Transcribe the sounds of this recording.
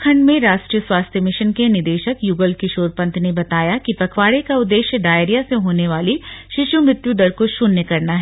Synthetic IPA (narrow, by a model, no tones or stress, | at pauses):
kʰɐ̃ɳɖmẽɾaːʃʈɾijəswaːst̪ʰjəmɪʃənkenɪd̪eːʃəkjuːɡəlkɪʃoːɾpɐ̃nt̪ʰnebɐt̪aːjakipɐkʰʋaːɽekaʊd̪ːeːʃjəɖaːeɾijaseɦoːneʋaːliʃɪʃjumɾɪt̪juɖɐɾkoʃʊnːəkɐɾnaɦɛ